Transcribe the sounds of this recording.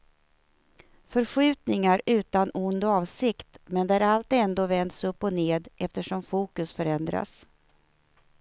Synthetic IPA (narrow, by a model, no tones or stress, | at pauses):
fœɾɧʉ̟ːt̪nɪŋaɾʉ̟ːt̪anʊnd̪ɔɑːvsɪkt̪mɛnd̪ɛæɾalt̪̚ɛnd̪oːvɛnd̪sɵpːɔneːd̪ʔɛft̪əʂɔmfuːkɵsfœɾɛnd̪ɾa̰s